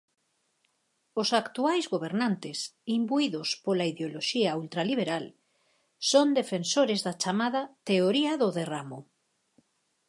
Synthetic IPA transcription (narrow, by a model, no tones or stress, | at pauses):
ʊsakt̪uajzɣoβ̞eɾnant̪ɪsimbuiðʊspolaiðeoloʃiault̪ɾaliβ̞eɾal | sond̪efensoɾezðat͡ʃamaðɐt̪eoɾiaðʊðeramʊ